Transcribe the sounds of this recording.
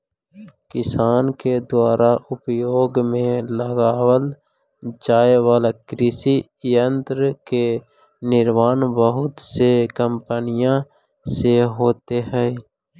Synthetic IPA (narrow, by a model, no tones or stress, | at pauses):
kɪsaːnked̪waːɾaʔʊpjoːɡmẽləɡaːwəl | d͡ʒaːewaːlakɾɪsi | jənt̪ɾəke | nɪɾmaːnbəɦʊt̪sekəmpənɪjã | seɦoːt̪eɦɛː